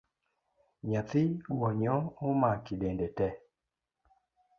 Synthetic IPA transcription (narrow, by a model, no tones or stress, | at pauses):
ɲat̪ɪɡwɔɲɔomakidɛndɛtɛ